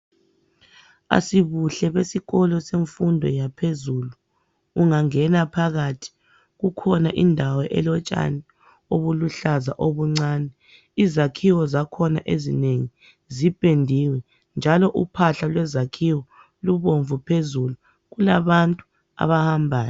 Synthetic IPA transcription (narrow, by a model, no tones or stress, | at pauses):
a̰siβuɬɛβesiɣɔlɔseɱfundʱɔ̰japʰezuluː | ŋaŋɛnapʰaɣatʰi̥ | ɣukʰɔnaʔindʱawɔʔɛ̰lɔt͡ʃʼa̰ni | oβuluɬazaʔoβuŋ͡ǀaːnɛ | izakʰiwɔzakʰɔna̰ʔezineŋi | zib̥ʼʱendʱiwɛ | nd͡ʒʱalɔʔupʰaɬalwɛzakʰiwɔ | luβoɱvupʰezulu | ɣulaβantʼu | a̰βahambʱaːjɔ